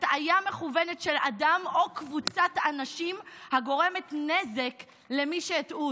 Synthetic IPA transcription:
tajame̞χuve̞ne̞tʃe̞ladamo̞kvut͡satanaʃimhaɡo̞ʁe̞metne̞ze̞k | le̞miʃeːtʔu

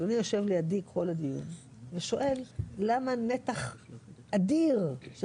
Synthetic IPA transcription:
onijoʃe̞vlejad̪ikːo̞lad̪ijṵn | veʃo̞ʔe̞lːamanet̪aχʔad̪iʁʃ

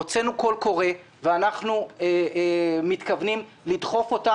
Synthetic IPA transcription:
ot͡se̞nuko̞lko̞ʁe̞ | veanaχnue | mitkavnim | lidχo̞fo̞ta

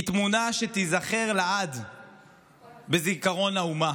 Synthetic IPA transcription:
t̪munaʃet̪izaχe̞ʁlaad̪ | bezikaʁo̞nauma

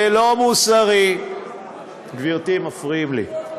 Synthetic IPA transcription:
elomusaʁi | ɡviʁt̪imafʁiimlḭ

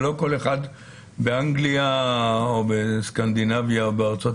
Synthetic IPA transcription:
lo̞ko̞leχad̪ | beaŋɡliaobeskand̪inavjaobeaʁt͡sot

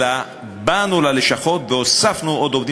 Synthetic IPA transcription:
a | banulaleʃaχo̞t̪veosafnuʔod̪ovd̪i

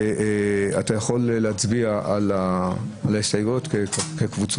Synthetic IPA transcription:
atajaχo̞lːeat͡sbiaʔalaalaestajotkekekvut͡s

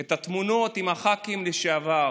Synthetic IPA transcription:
et̪at̪muno̞t̪imaχakimleʃeava

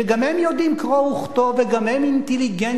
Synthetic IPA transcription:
eɡamhemjod̪imkʁouχt̪oveɡamhɛmint̪eliɡɛn

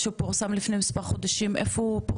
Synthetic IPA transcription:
ʃeupoʁsamlifnemispaʁχod̪aʃimʔefoupo

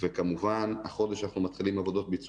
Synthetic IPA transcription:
vekamuvana̰χo̞d̪eʃanaχnumat̪χilimavo̞d̪o̞t̪bit͡s

